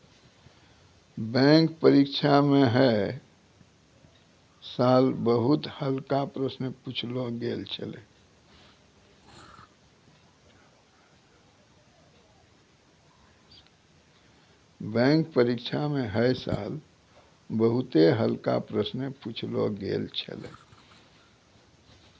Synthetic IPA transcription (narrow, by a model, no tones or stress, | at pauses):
bɛ̃ŋkpəɾikt͡ʃʰamẽɦɛ | saːlbəɦut̪həlkapɾəsnəput͡ʃʰloɡeːlt͡ʃʰə̰lḛ | bɛ̃ːŋk̚pəɾikt͡ʃʰamẽɦəsa̰ːl | bəɦʊt̪eɦəlka̰pɾəsnəput͡ʃʰlo̰ɡḛlt͡ʃʰə̰lḛ